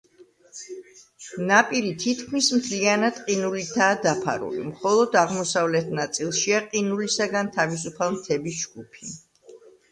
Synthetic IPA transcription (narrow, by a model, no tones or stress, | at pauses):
napʼiɾit̪ʰit̪ʰkʰmismt̪ʰlianad̪qʼinulit̪ʰaːd̪apʰa̰ɾṵlḭmχɔlˠɔd̪aʁmɔsavlɛt̪ʰnat̪sʼilˠʃiaqʼinulisaɡant̪ʰavis̬upʰalˠmt̪ʰɛbisd͡ʒɡupʰi̥